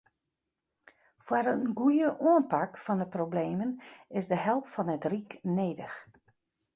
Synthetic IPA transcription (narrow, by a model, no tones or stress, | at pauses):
fwaɾənɡujəʔuənpakfɔndəprobleːmənɪsdəɦɛlˠptfɔnətrikneːdəx